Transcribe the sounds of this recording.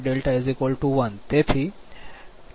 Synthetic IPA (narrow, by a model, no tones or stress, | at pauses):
ɖelʈajzikəlʈuʋənt̪et̪ʰiː